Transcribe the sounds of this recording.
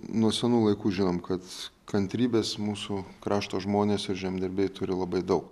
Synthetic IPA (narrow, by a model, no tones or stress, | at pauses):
nuɔsʲɛnuːlˠɐɪkuːʒʲɪnoːmkɐt̪kɐnʲt̪ʲɾʲiːbʲeːsmuːsʊkɾɑːʃt̪oːʒmoːnʲeːsɪɾʒʲɛmʲd̪ʲɛɾʲbʲeːjt̪ʊɾʲɪlˠɐbɐɪd̪ɐʊk